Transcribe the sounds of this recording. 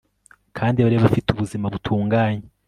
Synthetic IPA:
kʰaːndiβaɾeβafituβuzimaβutʰuːŋɡaːɲe

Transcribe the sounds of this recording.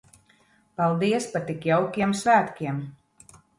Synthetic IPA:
palˠd̪iɛspaɾt̪ikjawkʲiɛmsvæːt̪kʲiɛm

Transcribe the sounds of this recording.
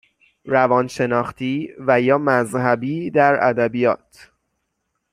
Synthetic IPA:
ɾævɒːnʃe̞nɒːxt̪ʰiːvæjɒːmæzhæbiːd̪æɾæ̰d̪æbijɒːt̪ʰ

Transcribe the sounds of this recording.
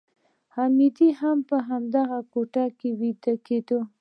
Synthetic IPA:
hamid̪iɦampəɦamd̪aɣakoʈakewit̪aket̪o

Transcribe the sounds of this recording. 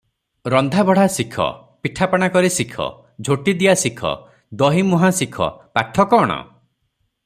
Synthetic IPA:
ɾɔnd̪ʱabɔɽ̤asikʰɔ̰ | piʈʰapɔɽ̃akɔɾisikʰɔ̰ | d͡ʒʱoʈid̪iasikʰɔ̰ | d̪ɔɦimuɦasikʰɔ̰paʈʰɔkɔːɽ̃ɔ̰

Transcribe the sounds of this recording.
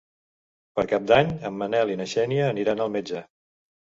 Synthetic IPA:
pəɾkap̚d̪aɲəmːənɛlinəʃɛniəːniɾanəlˠmed͡ʒə

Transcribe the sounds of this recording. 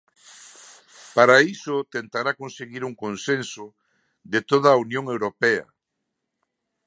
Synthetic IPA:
paɾaisʊt̪ent̪aɾakonseɣiɾuŋkonsensʊ | ðet̪oð̞ɐːunjõŋewɾopɛɐ̰

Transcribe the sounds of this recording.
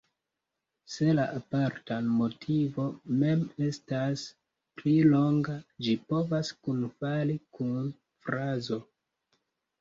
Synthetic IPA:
se̞laʔapaɾtamo̞tʰivo̞me̞me̞stas | plilo̞ŋɡad͡ʒipo̞vaskunfalikun | fɾazo̞

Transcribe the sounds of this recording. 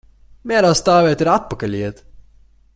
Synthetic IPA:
mʲæːɾaːst̪aːvʲeːt̪ɪɾat̪̚pɐkɐlʲiːt̪

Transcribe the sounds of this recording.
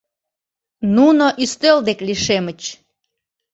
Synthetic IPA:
nunoʔyst̪øld̪ekliʃemət͡ɕ

